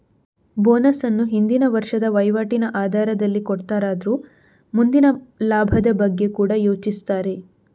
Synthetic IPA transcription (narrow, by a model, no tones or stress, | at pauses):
boːnɐsɐnːuɦind̪inɐʋɐɾʂɐd̪ɐʋɐjʋaːʈinɐʔaːd̪ʱaːɾɐd̪ɐlːikɔɽt̪aːɾaːd̪ɐɾuː | mund̪inɐlaːbʱɐd̪ɐbɐɡːe̞kuːɽɐjoːt͡ʃist̪aːɾe̞